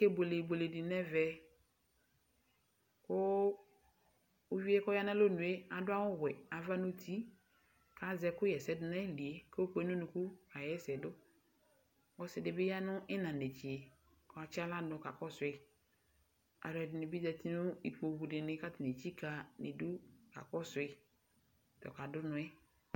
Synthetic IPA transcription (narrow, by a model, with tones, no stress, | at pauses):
ke˦bo˨le˨bo˨le˨dɪ˨nɛ˦vɛ˦ | kʊ˦ | o˦vi˦ɛ˦kɔ˦ja˦na˦lo˦nũ˨e˦a˨dʊ˦a˦wʊ˦wɛ˨a˨va˦no˦tʰi˦ | ka˨zɛ˨kʊ˦jɛ˨sɛ˦dɪ˦na˦li˨e˦kɛ˦o˦k͡pe˦n˦o˦nũ˨ku˦a˨jɛ˦sɛ˨dʊ˦ | wɔ˦sɛ˨dɪ˨bɪ˦ja˦nʊ˦ɪ˦nã˨ne˨t͡ʃi˨e˨ | kɔ˨a˨t͡ʃɪ˦a˦la˦nʊ˨ka̰˨kɔ˦sʊ˨ɪ˦˨ | a̰˨dʊ˨ɛ˨dɪ˨nɪ˨bi˦zɛ˨ti˦nʊ˦i˨k͡po˨wu˨dɪ˨nɪ˨ka˦tɪ˨n˨e˨t͡ʃi˦ka˨ne˨du˦ka̰˨kɔ˦sʊ˨ɪ˨ | t̪ɔ̰˨ka˨dʊ˦nʊ̃˨ɛ˦